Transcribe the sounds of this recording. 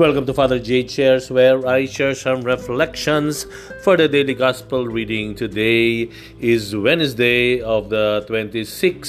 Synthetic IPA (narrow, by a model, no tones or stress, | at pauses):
wɛlkə̃mtufaːd̪əɾd͡ʒet͡ʃeɾsweɾaɪʃɛɾsʌ̃mɾɛflɛkʃə̃ns | fɔɾd̪ədeːliɡɔspəlɾiːɖɪ̃ŋtʰude | ɪzwɛ̃nsdeɔʋd̪ətwɛ̃ntisɪks